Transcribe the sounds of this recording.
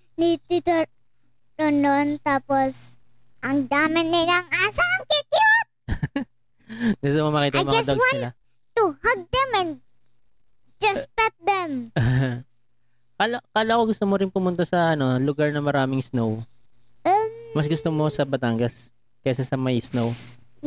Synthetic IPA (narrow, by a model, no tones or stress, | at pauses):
nit̪it̪o | tonont̪aːpos | ʔɐŋd̪aːmɪnːɪlɐŋaːsɐɐŋkikɪjot̪̚ | ɡʊst̪omomɐkiːt̪ɐamɐd͡ʒɐsd̪ɐɡwaɪlɐ | t̪uhɐɡ̚d̪ɛmɛn | d͡ʒɐspɛt̪̚d̪ɛmʔɐha | kalokaːlokoɡʊst̪omoɾɪnpʊmʊnt̪asɐʔɐno̞lʊɡaɹnɐmɐɾaːmɪŋsnow̩ | mɐsɡʊst̪omo̞sɐbɐt̪aːŋɡɐs | kɛsɐsɐmɐjsnow